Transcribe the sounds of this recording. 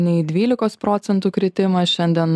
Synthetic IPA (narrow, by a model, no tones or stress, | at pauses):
nʲɛɪd̪ʲʋʲiːlʲɪkoːspɾɔːt̪sʲɛnt̪uːkɾʲɪt̪ʲɪmɐʃʲɛnʲd̪ʲiɛn